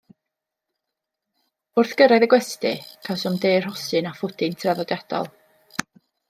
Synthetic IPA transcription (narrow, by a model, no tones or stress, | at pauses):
ʊrθɡ̥əɾaɨðəɡwɛstɨkʰasʊmdeːrhɔsɨnafʊdɪntʰraðɔdjad̥ɔ̰lˠ